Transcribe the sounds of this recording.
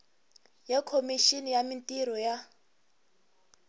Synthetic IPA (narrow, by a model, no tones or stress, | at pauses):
jɛkʰomiʃinijamintʼiɾɔja